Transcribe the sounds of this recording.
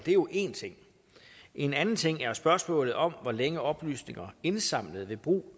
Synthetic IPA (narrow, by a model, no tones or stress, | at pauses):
d̥e̝jo̝ʔe̝nt͡sʰe̝ŋ̰ | ʔe̝nænn̩t͡sʰe̝ŋ̰æɐsb̥ɶɐsmɔ̰̽ːlð̞̩ˠɒ̽mʋɒleŋəɒ̽b̥ly̰ːsne̝ŋɐe̝nsɑ̈m̰ləð̞̩ˠʋe̝b̥ʁṵː